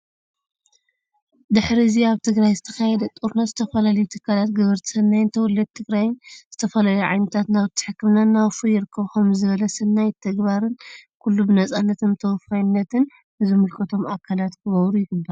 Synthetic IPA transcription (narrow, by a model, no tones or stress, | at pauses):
d̪ɨħɾiɨziaβt̪ʰɨɡɾajzɨt̪ʰɐkajɛd̪ɐt̪ʼuɾnazɨt̪ʰɐfɐlalɐjut̪ʰɨkʰːalat̪ɡɨβɨɾt̪ʰɨ̥sɐnːajnt̪ʰɐwʊlːɐd̪̚t̪ʰːɨɡɾajnz̥ɨt̪ʰɐfɐlaluʕa̰jnɐt̪ʰat̪naβt̪ʰːɨ̥ħɨkːɨmnanawfujɪɾɨkʰːɐβxomzɨβɐlɐsɐnːajt̪ʰɐɡbaɾɨnkʰulːubɨnɐt͡sʼanːɐt̪ʰɨmt̪ʰɐwfajnːɐt̪ʰɨn | zɨmɨlkʰɐt̪ʰo̞makʰːalat̪kʰɨβɐβɾujɪɡɨbːɐɾ